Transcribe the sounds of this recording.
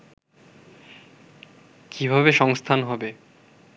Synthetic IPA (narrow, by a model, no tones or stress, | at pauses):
kʰibʱabeʃɔŋst̪ʰanɦɔbe